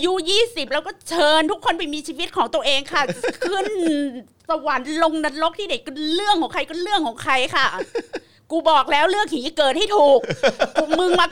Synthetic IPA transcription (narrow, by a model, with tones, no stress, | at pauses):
ʔa˧ju˦˥jiː˥˩si˨˩p̚lɛː˦˥wkɔː˥˩t͡ɕʰɤː˧nt̪ʰu˦˥kʰːo˧npa˧jmiː˧t͡ɕʰiː˧wi˦˥t̪̚kʰɔː˩˦ŋt̪u˧ə˧ʔeː˧ŋkʰa˥˩kʰɯ˥˩n | sa˧wa˩˦nlo˧ŋna˧n̚lo˦˥k̚t̪ʰiː˥˨a˨˦jkɯ˧˥˩nlɯ˥˩əŋʰkʰɔː˩˦kʰa˧jkɯ˥˩nlɯ˥˩əŋkʰɔː˩˦ŋkʰa˧jkʰa˥˩ | kuː˧bɔː˨˩k̚lɛː˦˥wɾɯ˥˩ək̚hiː˨˩˦kɤː˨˩t̪̚ha˥˩jt̪ʰuː˨˩k̚ːuː˧˩mɯ˧ŋmaː˧